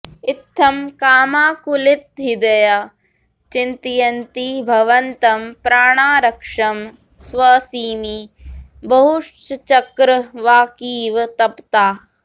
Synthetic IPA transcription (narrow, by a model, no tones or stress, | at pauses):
it̪ʰːɐmkaːmaːkulit̪̚ɦid̪ɐjɐ | t͡ʃint̪ijɐnt̪ibʱɐʋɐnt̪ɐmpɾaːɳaːɾɐkʂɐm | sʋɐsiːmibɐɦuʂt͡ʃt͡ʃɐkɾɐʋaːkiːʋt̪ɐpt̪aː